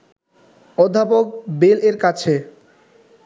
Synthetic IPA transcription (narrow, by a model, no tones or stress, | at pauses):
ɔd̪ʱːapok̚beleɾkat͡ɕʰe